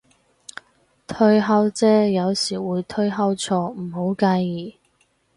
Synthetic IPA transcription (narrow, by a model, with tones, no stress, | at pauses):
t̪ʰɵ˧ɥɦɐ˥wt͡sɛː˥jɐ˨˧wsiː˨˩wuː˨˧jt̪ʰɵ˥ɥɦɐ˥wt͡sʰɔː˧m̩˨˩ɦo˨˥wkɐ˧ji˨˩